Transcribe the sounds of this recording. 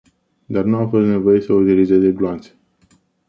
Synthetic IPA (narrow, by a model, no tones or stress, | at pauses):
d̪arnuafo̞st̪ne̞vo̞je̞səut̪ilizezeɡloant̪sʲe̥